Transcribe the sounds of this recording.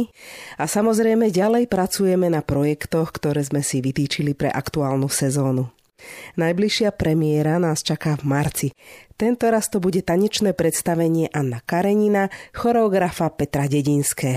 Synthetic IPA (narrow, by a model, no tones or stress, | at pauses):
asamɔzɾɛjmɛɟalɛjpɾat͡sujɛmɛnapɾɔjɛkt̪ɔxkt̪ɔɾɛːzmɛsiʋit̪iːt͡ʃilipɾɛ̰ʔakt̪uaːlnusɛzɔːnu | najbliʃɪapɾɛmɪɛɾanaːst͡ʃakaːvmaɾt͡sit̪ɛnt̪ɔɾast̪ɔbuɟɛt̪aɲɛt͡ʃnɛːpɾɛt̪st̪aʋɛɲɪɛʔanːakaɾɛɲinaxɔɾɛɔɡɾafapɛt̪ɾaɟɛɟinskɛː